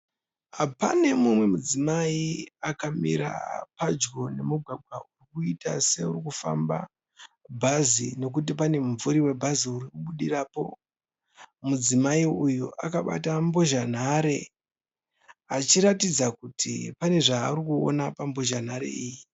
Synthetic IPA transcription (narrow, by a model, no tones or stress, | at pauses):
ɦapane̞mumwe̞mud͡zimaiakamḭɾa̰pad͡ʒɡo̞ne̞muɡʱaɡʱwaurikuitase̞uɾikufa̰mba̰ | bʱazino̞k̬ut̬ip̬ane̞muɱvuɾiwe̞bʱaziuɾikuɓuɗiraːpo̞̰ | mud͡zimaiujuʔakaɓa̰tamboʒan̤aɾe̞ | at͡ʃiɾatid͡zakutʰḭpane̞ʐaːurikuo̰napamboʒan̤aɾḛiːji